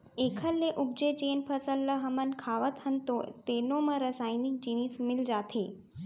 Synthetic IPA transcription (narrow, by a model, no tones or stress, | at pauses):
eːkʰəlːeʔub̚d͡ʒed͡ʒeːnpʰəsəlːəɦəmənkʰaːʋət̪ɦənt̪ot̪eːnõmɐ̃ɾəsaːinik̚d͡ʒiniːsmɪld͡ʒaːt̪ʰeː